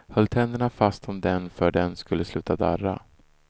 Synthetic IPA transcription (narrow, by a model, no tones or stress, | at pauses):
hœlːt̪ʰɛnd̪əɳafast̪ɔmd̪ɛnfœːɖɛnskɵlːəslʉ̟ːt̪ʰad̪a̰rːa̰